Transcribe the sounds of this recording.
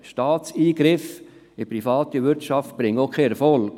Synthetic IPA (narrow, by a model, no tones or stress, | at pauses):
ʃtɑːt͡siːɡ̥ɾɪf | ɪpɾifɑːt̪iʋɪɾtʃɑft̚b̥ɾɪŋokʰχeɛɾfɔlk